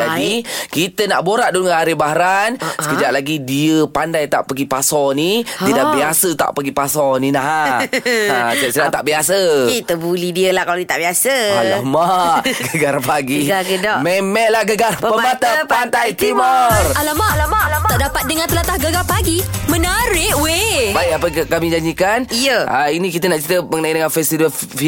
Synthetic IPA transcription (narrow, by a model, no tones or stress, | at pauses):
d͡ʒadikit̪ənaʔboɾaʔ̚duŋəaɾibaɦɾansə̥kəd͡ʒaʔlaɡidiəpandajt̪a̰ʔpəɡipasɔniidaʔʔbiasət̪a̰ʔpəɡipasɔninaɦ | akəʔsədaʔt̪aʔbiasəit̪əbulidiəlahkalodit̪aʔbiasəalahmaɡəɡarpaɡiɡaɡədamemɛʔlahɡəɡarpəpəmmat̪apant̪at̪imɔralamaʔlamat̪aʔdapat̪̚dəŋãnt̪əlat̪ahɡəɡapaɡimə̃naɾɪʔwebaiapəkamid͡ʒaɲd͡ʒikanijəʔainikit̪ənaʔt͡ʃɾit̪əməŋənaidəŋanfɛst̪ivəf | fi